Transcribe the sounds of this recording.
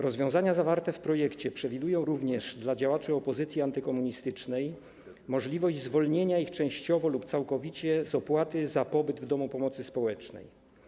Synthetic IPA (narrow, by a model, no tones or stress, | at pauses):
ɾɔzvʲjɔ̃w̃zaɲazavaɾt̪ɛfpɾɔjɛkt͡ɕɛpʂɛvʲid̪ujɔ̃w̃ɾuvɲɛʐd̪lad͡ʑawat͡ʂɘɔpɔzɘt̪sʲjiant̪ɘkɔmuɲist̪ɘt͡ʂnɛj | mɔʐlʲivɔʑd͡ʑzvɔlɲeɲaixt͡ʂɛ̃w̃ɕt͡ɕɔvɔlupt̪sawkɔvʲit͡ɕɛzɔpwat̪ɘzapɔbɘd̪vd̪ɔmupɔmɔt̪sɘspɔwɛt͡ʂnɛ̰j